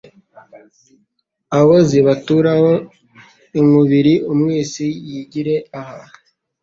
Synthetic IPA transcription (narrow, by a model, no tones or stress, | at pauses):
aβoziβatuɾaho | imuβiɾiʔumŋiːzijiɟiɾe̞aha